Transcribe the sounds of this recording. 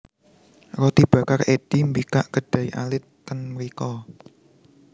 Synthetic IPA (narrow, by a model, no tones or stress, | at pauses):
rɔt̪ib̥ä̤kared̪̥imbikaʔɡ̥əɖ̥ä̤iʔa̰lɪt̪̚kənməɾikɔ